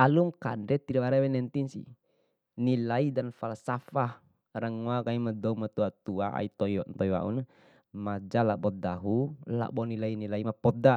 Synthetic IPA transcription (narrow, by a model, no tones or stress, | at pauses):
aluŋkandɛt̪idabaɾɛwɛnɛnt̪insḭ | nilaidanfalsafah | raŋuakaimadɔumat̪uat̪uaʔa̰it̪ɔint̪ɔiwa̰ʔṵna | mad͡ʒalabɔd̪aɦula̰bɔnilainilaimapɔd̪a